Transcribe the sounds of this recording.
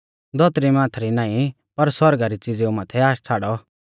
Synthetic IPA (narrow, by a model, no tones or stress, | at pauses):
d̪ʱɔt̪ɾimãːt̪ʰɾinãːĩ | pɐɾswɐɾɡaɾit͡sid͡zeumaːt̪ʰɛaːst͡sʰaːɽɔ